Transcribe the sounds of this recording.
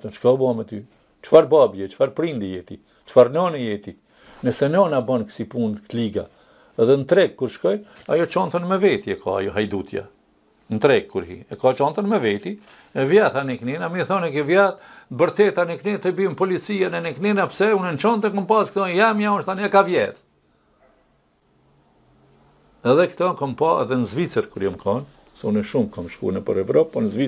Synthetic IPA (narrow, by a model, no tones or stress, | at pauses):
t̪ɔt͡ʃkɔbɔamɛt̪y | t͡ʃfaɾbabjɛt͡ʃfaɾpɾind̪ijɛt̪i | t͡ʃfaɾnɔnɛjɛt̪i | nɛsɛnɔnabɔnksipunkt̪liɡa̰ | ɛðɛnt̪ɾɛkkːuɾʃkɔjajɔt͡ʃɔnt̪ɔnmɛvɛt̪iɛkʰɔ̰a̰jɔɦajd̪ut̪ja̰ | nt̪ɾɛkkːuɾhḭɛkɔt͡ʃɔnt̪ənmɛvɛt̪i | ɛvjɛt̪anikninamiθɔnɛkɛvjatbəɾt̪ɛt̪aniknit̪ɛbimpɔlit͡sijanɛnikninapsɛunɛnt͡ʃɔnt̪ənkɔmpaskt̪ɔnjamjaunʃt̪anakavjɛt̪ | ɛðɛkt̪ɔkɔmpɑɛ̰ðɛnəzvit͡səɾkuɾjamkʰɔn | sɛunɛʃumkamʃkṵnɛpə̰ɾɛvɾɔpːɔnzvi